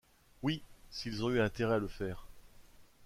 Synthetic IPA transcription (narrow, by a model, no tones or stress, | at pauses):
wisilzɔ̃yɛ̃t̪eʁɛaləfɛːʁ